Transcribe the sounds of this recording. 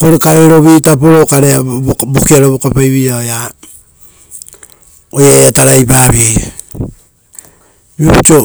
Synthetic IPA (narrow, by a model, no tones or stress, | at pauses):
koɾekaɾeɾo̞βitap̬oɾokaɾeabokiaɾoβokapajβiaoja | ojaataɾajpaβieja | t͡ʃo